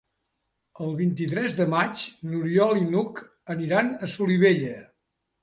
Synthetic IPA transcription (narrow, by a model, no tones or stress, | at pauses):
əlˠβ̞int̪it̪ɾɛzðəmat͡ʃnuɾiɔlinuk | əniɾanəsuliβeʎə